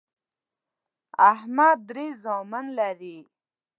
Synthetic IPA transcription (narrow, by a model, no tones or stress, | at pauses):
ahmad̪ɾizoːmanlaɾi